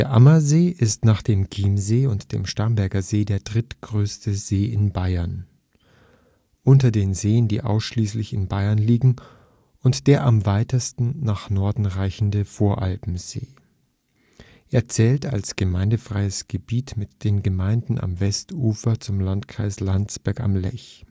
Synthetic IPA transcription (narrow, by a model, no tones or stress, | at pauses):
d̥eːɐʔamɐzeːʔɪstnaːχd̥eːmkʰiːmzeːʊntd̥ḛːmʃtaɐmbɛɐɡɐzeːdeːɐdʁɪtɡ̥ʁøːstəzeːɪnbaɪɐn | ʔʊntɐdeːnzeːəndḭːʔa̰ʊsʃliːslɪçɪnbaɪɐnliːɡŋ̩ | ʊntd̥eːɐʔamvaɪtəstn̩naːχnɔɐdn̩ʁaɪçn̩dəfoːɐʔalpm̩z̥ḛː | ʔeːɐt͡sɛːlta̰lsɡ̥əmaɪndəfʁ̥aɪəsɡ̥əbiːtmɪtd̥eːnɡəmaɪndn̩ʔa̰mvɛstuːfɐt͡sʊmlantkʁ̥aɪslant͡sb̥ɛɐka̰mlɛ̰ç